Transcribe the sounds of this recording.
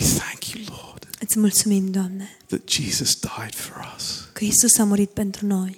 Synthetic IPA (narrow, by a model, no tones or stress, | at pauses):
iθæ̃ŋkʰjulɔɹd̥ɛt̪smolsumind̪oamːɛðɨ̰t̚d̥ʒ̥izəsd̥aɪd̥fəɹʌskɾist̪osamoɾit̪̚pɛnt̪ɾonoj